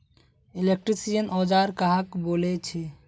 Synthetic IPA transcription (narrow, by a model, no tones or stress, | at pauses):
ilek̚ʈɾisijənɔd͡ʒaɾkaɦakbolet͡ʃʰi